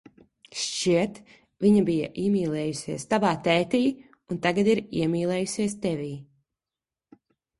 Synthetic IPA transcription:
ʃt͡ʃiɛt̪ | vʲiɲabija̰ʔiɛmʲiːlˠɛːjusʲiɛst̪avaːt̪ɛːt̪iː | unt̪aɡad̪iɾiɛmʲiːlˠɛːjusʲiɛst̪ɛvʲiː

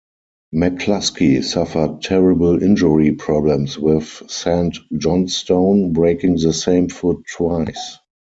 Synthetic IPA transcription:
mɛkʰlaskisafə˞t̚tʰːɛɹɪbəlɪ̃nd͡ʒəɹipʰɹɔblɛ̃mswɪθsæ̃ntd͡ʒɔ̃nstõʊ̃nbɹeɪkɪ̃ŋðəsẽɪ̃mfʊtʰːwaɪs

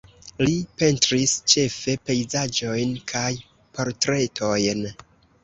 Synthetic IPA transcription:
lipe̞ntɾist͡ʃe̞fe̞pe̞jzad͡ʒo̞jnkʰaj | po̞ɾtɾe̞tʰo̞jn

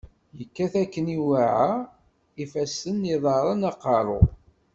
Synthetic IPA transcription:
jəkːæθækːəniwaʕa | ifæsənːiðˤɑɾˤənɑqɑɾˤo̰

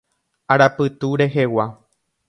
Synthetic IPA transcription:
aɾapɨt̪uɾe̞ɦewa

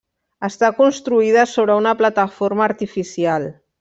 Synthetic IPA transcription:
əst̪akunst̪ɾuiðəsoβɾəunəplat̪əfoɾmaːɾt̪ifisialˠ

